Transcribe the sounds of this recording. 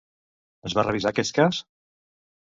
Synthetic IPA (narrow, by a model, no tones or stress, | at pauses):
əzβarəβ̞izakɛst̪̚kas